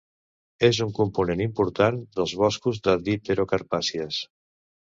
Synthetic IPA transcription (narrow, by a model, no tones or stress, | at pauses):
ezuŋkumpunenimpuɾt̪and̪əlˠzβɔskuzðəðit̪eɾokaɾpasiəs